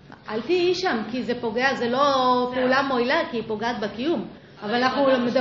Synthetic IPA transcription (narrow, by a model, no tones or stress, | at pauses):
ʔaltiiʃamkizepo̞ɡeazelo̞peulamo̞ilakiipo̞ɡaat̪̚bekijum | avalanaχnumed̪a